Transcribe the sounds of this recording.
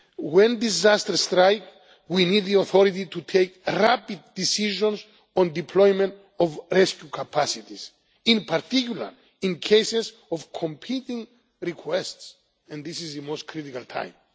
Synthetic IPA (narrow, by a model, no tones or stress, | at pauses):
wẽnd̪izast̪əɾst̪ɾajk | winid̪ðioθoɾit̪it̪ut̪ʰejkɾapid̪̚ːisiʒõns | õnd̪ipʰlojmẽnt̪ | ovɹɛskjukʰapʰasit̪is | ĩnpʰaɾt̪ikjula̰ɾ | ĩnkʰejsez | ovkʰõmpʰit̪ĩŋ | ɾikʰwests | ɛ̃nðisizðɨmostkʰɾit̪ikalt̪ʰã̰j̃m